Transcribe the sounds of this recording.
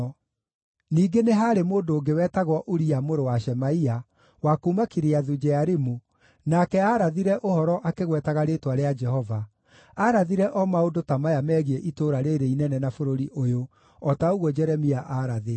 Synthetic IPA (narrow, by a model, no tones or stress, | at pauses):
niːɡeneɦaɾemoːndoːɡewɛːtaɣwɔʔoɾiamoɾowaʃɛmaia | wakuːmakiɾeaðud͡ʒɛaɾemu | nakɛaɾaðiɾɛʔohɔɾɔʔakeɣwɛtaɣaɾetwaɾead͡ʒɛhɔva | aɾaðiɾɛʔɔmaodotamajamɛːɣieʔitoːɾaɾeɾeinɛnɛnafoɾoɾiʔojo | ɔtaoɣwɔd͡ʒɛɾɛmiaʔaɾaðe